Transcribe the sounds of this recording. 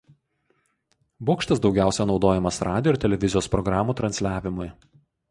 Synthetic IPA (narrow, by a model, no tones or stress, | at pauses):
boːkʃt̪ɐsd̪ɒʊɡʲæˑʊsʲɛnɒʊd̪oːjɛmɐsɾɑːd̪ʲɪjoɪɾt̪ʲɛlʲɛʋʲɪzʲɪjoːspɾɔɡɾɑːmuːt̪ɾɐnʲsʲlʲæːʋʲɪmʊj